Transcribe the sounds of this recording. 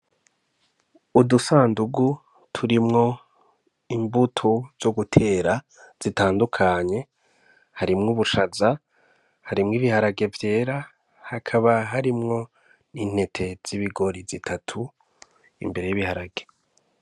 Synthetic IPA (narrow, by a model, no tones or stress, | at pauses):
udusaːnduɡu | tʰuɾimŋo̞ | imbutʰoz̥oɡutʰe̞ːɾa | z̥itaːndukʰaɲe̞ | haɾimŋuβuʃaza | haɾimŋiːβihaɾaɡe̞vje̞ːɾa | hakʰaβaɦaɾimŋo̞ | niːn̥he̞tʰe̞z̥iβiɡo̞ɾizitʰatʰu | ḭmbe̞ɾe̞jiβihaɾaɡe̞